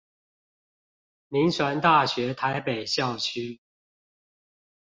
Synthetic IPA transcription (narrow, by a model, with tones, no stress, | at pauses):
mi˨˦ŋswa˧˦nt̪a˥˨ɕɥɛ˨˦t̪ʰa˨˦ɪpe˨˩ɪɕjɑ˥˨ʊt͡ɕʰy˦˥